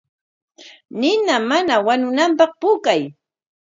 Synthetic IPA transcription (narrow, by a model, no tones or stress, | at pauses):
nɪnamanawanʊnampɑχpʊkaj